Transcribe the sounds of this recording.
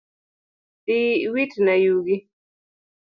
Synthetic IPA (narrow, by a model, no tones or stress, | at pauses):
tiwitnajuɡi